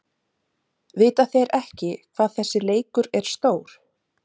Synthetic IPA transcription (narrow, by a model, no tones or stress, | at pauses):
vɪːt̪aθeɾɛhcɪkʰv̥aːðθɛsːɪleːjkʏɾɛɾ̥st̪oːwɾ̥